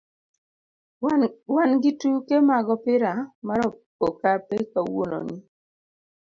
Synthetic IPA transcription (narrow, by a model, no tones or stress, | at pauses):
wanɡitukemaɡɔpɪɾamaɾɔ | okapekawo̰no̰ni